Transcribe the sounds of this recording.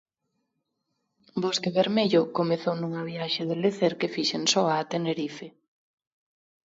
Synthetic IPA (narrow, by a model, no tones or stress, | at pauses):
bɔskeβeɾmeʎokomeθownũŋɐβiaʃeðeleθeɾkefiʃensɔaːt̪eneɾife